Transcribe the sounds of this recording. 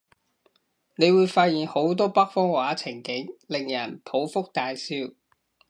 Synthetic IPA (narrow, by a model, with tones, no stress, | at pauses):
ne˨˧jwuː˨˧jfaː˧t̚jiː˨˩ŋho˨˥wt̪̬ɔː˥pɐ˥k̚fɔː˥ŋwaː˨˥t͡sʰɪ˨˩ŋkɪ˨˥ŋlɪ˨ŋjɐ˨˩npʰo˨˥wfʊ˥k̚t̪aː˧jsiː˧w